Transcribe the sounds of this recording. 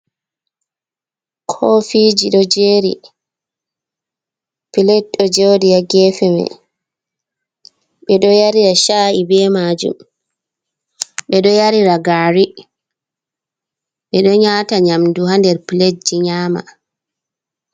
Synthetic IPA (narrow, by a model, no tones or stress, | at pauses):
kʰɔfid͡ʒiɗɔd͡ʒeːɾḭ | pilɛt̚ɗɔd͡ʒowdijaɡɛfɛmɛ̰ | ɓɛɗɔjaɾiɾaʃaːʔibɛmad͡ʒṵm | ɓɛɗɔjaɾiɾaɡaːɾi | ɓɛɗɔɲaːtaɲamduhandɛɾpiled͡ʒiɲaːma̰